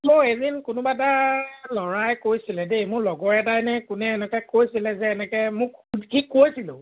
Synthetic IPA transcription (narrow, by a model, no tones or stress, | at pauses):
mʊ̃ezinkʊnũbatalɔɹajkojsilɛdemʊ̃lɔɡɔɛtajnɛkunɛɛnɛkɛkojsilɛzɛɛnɛkɛmʊ̃kikojsilo̰